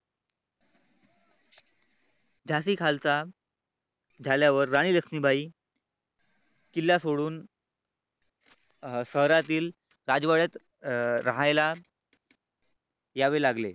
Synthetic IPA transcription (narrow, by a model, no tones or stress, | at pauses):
d͡ʑʱasiːkʰalt͡sa | d͡zʱaljaʋəɾːaɽ̃iːləkʂniːbʱaiː | kilːasoɽuːn | səɦɾat̪iːl | ɾad͡zʋaɭat̪ | ɾaɦajla | jaʋelaɡlḛ